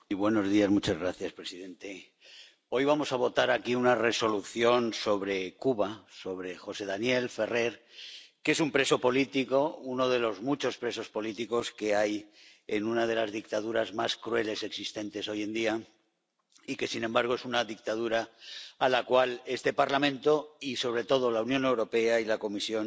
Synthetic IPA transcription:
iβwe̞no̞zðiazmut͡ʃazɣ̞ɾaθjaspɾesiðẽ̞nt̪e̞ | o̞jβamo̞saβ̞o̞t̪aɾakiunare̞so̞luθjo̞nso̞βɾe̞kuβaso̞β̞ɾe̞xo̞se̞ðanje̞lfe̞re̞ɾke̞sumpɾe̞so̞po̞lit̪iko̞uno̞ð̞e̞lo̞zmut͡ʃo̞spɾe̞so̞spo̞lit̪iko̞ske̞ajenunað̞e̞lazðikt̪að̞uɾazmaskɾue̞le̞se̞ksist̪e̞nt̪e̞so̞je̞nd̪ia | ike̞sinẽmbaɾɣ̞o̞e̞sunaðik̚t̪aðuɾaːlakwale̞st̪e̞paɾlamẽnt̪o̞iso̞β̞ɾe̞t̪o̞ð̞o̞launjone̞wɾo̞pe̞ailako̞misjo̞n

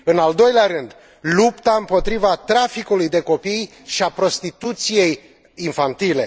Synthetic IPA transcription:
ɨnald̪o̞jleaɾɨnd̪ | lupt̪aɨmpo̞t̪ɾivat̪ɾafikulujd̪e̞ko̞pij | ʃiapɾo̞st̪it̪ut̪sije̞j | infant̪ile̞

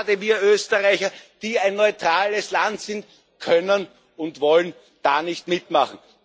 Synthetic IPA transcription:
dəviːɐøːstəʁaɪçɐd̥iːæɪnːɔʏtʁaːləslantsɪnt | kʰœnən | ʊntvɔlən | d̥aːnɪçtmɪtmaχn̩

